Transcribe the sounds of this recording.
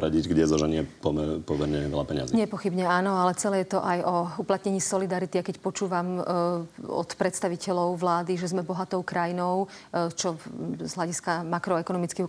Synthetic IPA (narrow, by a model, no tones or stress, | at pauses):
ɾaɟiɟɡɟɛzɔʒɛɲɪɛpɔɛpɔmɛɾɲɛʋɛ̰lapɛɲɪa̰ziɲɛpɔxibɲɛaːnɔalɛt͡sɛlɛjɛt̪ɔʔajɔuplat̪ɲɛɲiːsɔlid̪aɾit̪iajkɛcpɔt͡ʃuːʋam | ɔ̰t̪pɾɛt̪st̪aʋicɛlɔʊʋlaːd̪iʒɛzmɛbɔɦat̪ɔʊkɾajinɔʊt͡ʃɔzɦlaɟiskamakɾɔɛkɔnɔmit͡ski